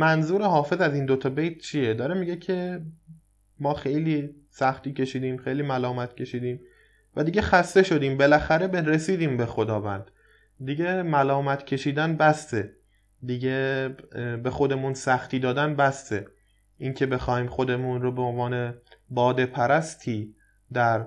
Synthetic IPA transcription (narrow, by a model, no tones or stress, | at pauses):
mænzuːɾehɒːfe̞zæziːnd̪ot̪ʰɒbe̞jt̪̚t͡ʃʰijed̪ɒːɾemiɟe̞cʰe̞ | mɒːxe̞jliː | sæxt̪iːcʰe̞ʃiːd̪iːmxe̞jliːmælɒːmæt̪̚cʰe̞ʃiːd̪iːm | væd̪iːɟexæst̪e̞ʃo̞d̪iːmbe̞læxæɾe̞bɾe̞siːd̪iːmbexo̞d̪ɒːvænd̪̥ | d̪iɟemælɒːmæt̪ʰcʰe̞ʃiːd̪ænbæst̪e̞ | d̪iɟe | bexo̞d̪e̞munsæxt̪iːd̪ɒːd̪ænbæst̪e | ʔincʰe̞be̞xɒːhiːmxo̞d̪e̞munɾobeonvɒːne̞bɒːd̪e̞pʰæɾæst̪ʰiː | d̪æɾ